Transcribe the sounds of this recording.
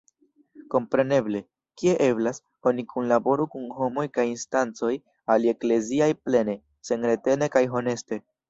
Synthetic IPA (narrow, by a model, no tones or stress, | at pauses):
ko̞mpɾe̞ne̞ble̞ | kie̞ʔe̞blas | o̞nikunlabo̞ɾukunɦo̞mo̞jkajinstant͡so̞j | ale̞kle̞ziajple̞ne̞ | se̞nɾe̞te̞ne̞kajɦo̞ne̞ste̞